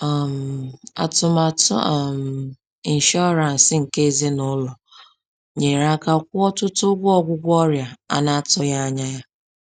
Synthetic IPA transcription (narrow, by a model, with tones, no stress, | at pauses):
m˨a̰˨tʊ˦ma˨tm˨ | i˨n̩˨ʃɔ˦ɾa˨n̩˨sɪ˦ŋ̩˨ke˦ze˦nʊ˦lɔ˨ | ɲe˨ɾa˦ka˦kʷʊ˦ɔ˦tʊ˦tʊ˦ɡʷʊ˦ɔ˦ɡʷʊ˦ɡʷɔ˦ɾja˨a̰˨na˦a˦tɔ˦ja˦a˦ɲa˦ja˦